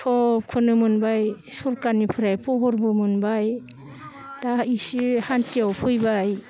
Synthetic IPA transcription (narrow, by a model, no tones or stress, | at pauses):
kʰɔp̚kʰɯnɯmɯnbajsuɾkanipʰɯɾajpʰɔɦɔɾbɯmɯnbaj | d̥aisihantiawpʰujbaj